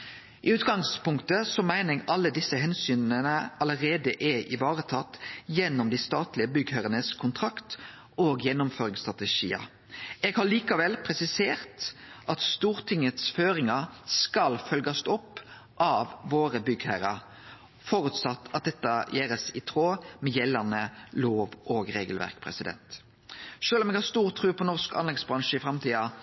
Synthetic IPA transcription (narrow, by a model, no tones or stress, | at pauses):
ʔɪʉːt̪ɡɑŋspʊŋkt̪əsɔmæɪnəɛɡɑlːəd̪ɪsːəhɛnsyːnnənəɑləʁeːd̪əʔɛʔɪʋɑːʁət̪ʰɑt̪ːjɛnːʊmd̪iːst̪ɑːt̪lɪəbʏɡhæʁənəskʰʊnt̪ʰʁɑkt̪ | oːɡjɛnːʊmføːʁɪŋst̪ʁɑt̪ɛʃḭːə̰ | eːɡhɑɭiːkɑʋɛlpʰʁɛsɪseːʁt̪ʔɑt̪st̪uːʁt̪ʰɪŋət̪sføːʁɪŋɑskɑlfœlɡɑst̪ɔpː | ʔɑʋːoːʁəbʏɡhæːɾə | fɔːɾʉt̪sɑt̪ːɑt̪̚d̪ɛt̪ːɑjeːɾəsɪt̪ʰʁoːmɛjɛlːɑnəloːʋʔoːɡʁeːɡəlʋæ̰ʁkpʰʁɛ̰sɪd̪ɛ̰nt̪ | ʃøːlɔmɛɡhɑst̪uːʁt̪ʰːʁʉːpʰɔnɔʁskɑ̰nlɛɡsbʁɑŋʃəɪfʁɑmt̪ʰiːɑ